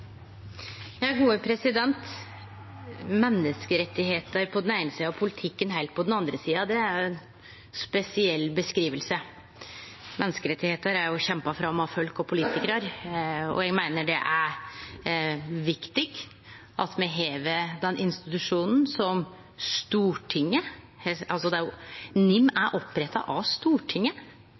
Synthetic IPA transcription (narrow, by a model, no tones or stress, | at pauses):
jɑːɡuːəpʰɾɛsɪd̪ɛnt̪ | mɛnːəskəɾɛt̪ːɪheːt̪əɾpʰɔd̪ɛnæɪnəsiːɑpʰʊlɪt̪ʰɪkːənɦæɪt̪̚pʰɔd̪ɛnɑnd̪ɾəsiːɑd̪ɛæɾjʊɛn | spɛsɪɛlːbəskɾiːʋəlsə | mɛnːəskəɾɛt̪ːɪheːt̪əɾæɾjʊçɛmpɑfɾɑmːɑfœlkɔpʰʊliːt̪ɪkɾəɾɔ̰jɛɡmæɪnəɖɛʔæɾ | ʋɪkt̪ɪɡ | ʔɑt̪mɛɦeːʋəd̪ɛnːʔɪnst̪ɪt̪ʉʂuːnn̩sɔm | st̪uːʈʰɪŋːə | hɑlsɔd̪ɛæɾjʊnɪmːæɾʔɔpːɾɛt̪ːɑ̰ʔɑʋst̪uːʈʰɪŋːə